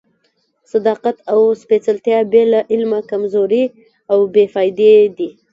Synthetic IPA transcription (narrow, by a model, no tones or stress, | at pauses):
sad̪ɑqat̪awspet͡salt̪jɑbelaʔɪlmakamzoɾi | awbefɑjd̪ed̪i